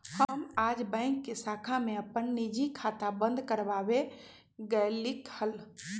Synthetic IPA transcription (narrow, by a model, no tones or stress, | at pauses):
həmaːd͡ʒbə̃ɪ̃ŋkːesakʰamẽəpənnid͡ʒʱikʰat̪abə̃nd̪ʱkəɾbabe | ɡəlikhəl